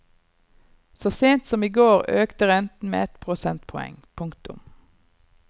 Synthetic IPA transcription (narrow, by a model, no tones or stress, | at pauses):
soːseːnt̪sɔmiːɡoːʁøːkt̪əʁɛnt̪n̩mḛːɛt̪pʰʁʊsɛnt̪̚pʰɔɛ̰ŋpʰʊŋkt̪ʊ̰m